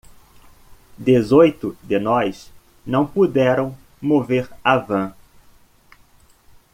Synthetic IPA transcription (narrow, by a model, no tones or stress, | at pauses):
d̪ezojt̪ʊd̪ɪnɔjs | nɐ̃w̃pud̪ɛɾɐ̃w̃ | moveɾavɐ̃